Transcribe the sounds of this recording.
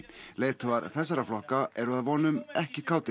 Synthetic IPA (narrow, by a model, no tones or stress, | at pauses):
leːjt̪ʰʏaɾθɛsːaɾaflɔhkaɛɾʏaðvɔːnʏmɛhcɪkʰaːwt̪ɪ